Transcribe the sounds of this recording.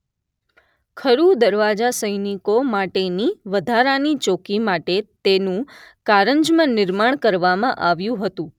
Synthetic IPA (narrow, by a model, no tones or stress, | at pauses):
kʰəɾud̪əɾʋad͡ʒasəjnikomaʈeniʋəd̪ʱaɾanit͡ʃokimaʈet̪enũkaɾəɲd͡ʒmãnɪɾmaɳ̃kəɾʋamãʔaʋjũɦət̪ũ